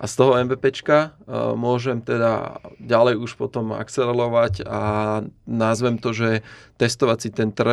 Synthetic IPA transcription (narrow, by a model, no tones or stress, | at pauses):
ʔa̰st̪ɔɦɔɛnʋɛːpɛt͡ʃkamʊɔʒɛmt̪ɛd̪a̰ɟalɛjuʃpɔt̪ɔma̰kt͡sɛlɛlɔʋaɟa | nazʋɛmt̪ɔʒɛt̪ɛst̪ɔʋat͡sit̪ɛnt̪r̩